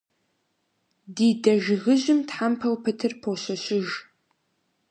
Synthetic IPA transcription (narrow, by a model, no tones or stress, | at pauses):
diːdɐʒɣɨʑɪmtħampʰɐwpʰɨtʰɨrpʰoɕɐɕɪʒ